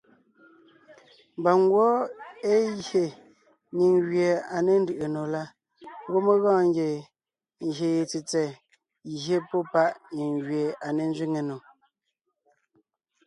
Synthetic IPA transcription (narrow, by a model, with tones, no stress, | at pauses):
mba˨ŋ˦ɡwɔ˦e˦ɣje˨ | ɲi˨ŋɣɥe˨a˨ne˨n˦dɯ˨ʔe˨no˨la˦ | ɣo˦me˦ɣɔ̃ː˦˨ŋɡe˨ | e˨je˨t͡si˨t͡sɛ˨ | ɣɦe˦pɔ˦pa˦ʔɲi˨ŋɣɥje˨a˨ne˨n˦d͡ʒɥi˦ŋe˨no˨